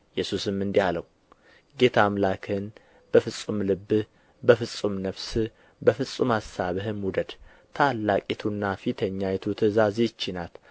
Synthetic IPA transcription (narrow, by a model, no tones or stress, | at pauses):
jɛsusɨmːɨnd̪ihaləw | ɡe̞t̪ʰamlakʰɨn | b̥əfɨsʼumlɨbːɨ | bəfɨsʼumnəβsɨ | bəfɨsʼumhasaβɨɦɨmwud̪əd̪ | t̪ʰalːakʼit̪ʰunːafit̪ʰəɲːajɛt̪ʰut̪ʰɨzazet͡ʃːɪnal